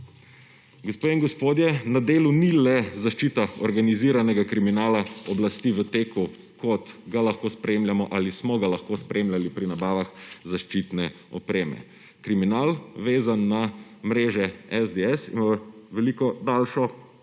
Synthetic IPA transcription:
ɡospeiŋɡɔspoːd̪jɛnad̪eːlunilɛzaʃt͡ʃiːt̪aɔɾɡaniziːɾanɛɡakɾiminaːlaɔblast̪iʋət̪eːku | kɔt̪ɡalaxkoːspɾeːmljamɔʔalismɔɡalaxkoːspɾʔemlʲjalipɾinabaːʋaxzaʃt͡ʃiːt̪nɛ | ɔpɾeːmɛ̰ | kɾiminaːlʋeːzanːamɾeːʒɛɛzd̪eɛsḭnaʋɛlikɔd̪alʃɔ

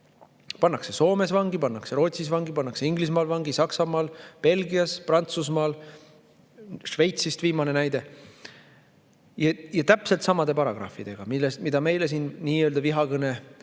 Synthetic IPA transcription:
pɑnːɑkse̞so̞ːme̞svɑŋɡipɑnːɑkse̞ɾo̞ːt̪sisvɑŋɡipɑnːɑkse̞iŋɡlis̬mɑːlvɑŋɡisɑksɑmɑːlpe̞lɡiɑsprɑnt̪susmɑːl | ʂve̞jt̪sist̪viːmɑne̞næjd̪e̞ | jɑjɑt̪æpselt̪sɑmɑd̪̥e̞pɑɾɑɡ̥rɑ̰fid̪̥e̞ɡ̥ɑmilːest̪mid̪̥ɑme̞jles̬iːnːiːøld̪ɑviɦɑkɤne

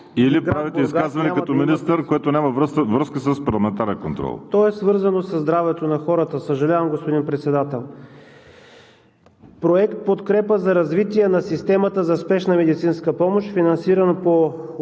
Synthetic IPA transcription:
ilipɡɾavit̪ɛiskazvɐnɛɐt̪ɔminist̪əɾkoɛt̪onʲamɐvɾəvɾəskəsəspɐɾlˠɐmɛnt̪aɾɛnkont̪ɾɔ̰lˠt̪ɔɛsvɤɾzɐnosɐzd̪ɾavɛt̪onɐxɔɾət̪əsəʒɐlʲavəmɡospod̪inpɾɛt̪sɛd̪at̪ɛlˠ | pɾoɛkt̪̚pot̪kɾɛpəzɐɾɐzvit̪iɛnɐsist̪ɛmɐt̪əzɐspɛʃnəmɛd̪it̪sinskəpɔmoʃt̪finɐnsiɾɐnpo

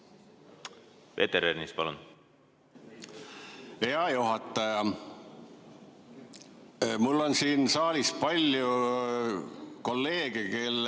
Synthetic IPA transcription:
ve̞̰t̪eɾernispɑlun | eɑjuɦɑt̪ːˑɑjɑ | mulːo̞nsiːnsɑːlʲispɑlʲju | ko̞lːe̞ːɡ̥eke̞lː

